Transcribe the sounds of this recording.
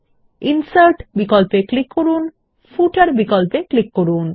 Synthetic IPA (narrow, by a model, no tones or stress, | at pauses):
insaɾʈbikɔlpeklikːoɾun | fuʈaɾbikɔlpeklikːoɾun